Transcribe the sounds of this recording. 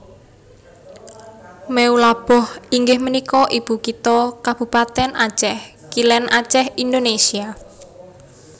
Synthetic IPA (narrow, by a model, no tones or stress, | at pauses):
meulab̥ɔhiŋɡɪhmənikɔʔib̥ṳkit̪ɔkab̥ṳpat̪ɛnʔḁʒ̥ɛh | kilɛnʔḁt͡ʃɛhind̪onesia